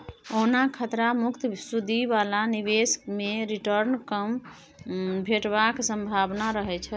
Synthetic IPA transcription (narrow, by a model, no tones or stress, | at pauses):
onakʰət̪ɾamukt̪sud̪ʱiβalaniβesmeɾiʈəɾnkəm | bʱeʈbaksəmbʱabnaɾəɦɛt͡ʃʰɛ